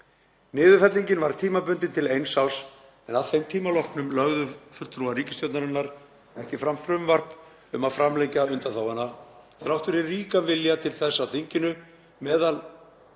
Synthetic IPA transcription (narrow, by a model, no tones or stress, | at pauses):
nɪːðʏfɛt̪liɲcɪnvaɾt̪ʰiːmapʏnt̪ɪnt̪ʰɪlejnsaws | ɛnaðθejmt̪ʰiːmalɔhknʏmlœɣðʏfʏl̥t̪ɾuaɾiːcɪst̪jowt̪naɾɪnːaɾ | ɛhcɪfɾamfɾʏmvar̥p | ʏmaðfɾamlejcaʏnt̪aθawhanːa | θɾawht̪ʏɾɪliːkanvɪljat̪ʰɪlθɛsːawθiɲcɪnʏ | mɛːðal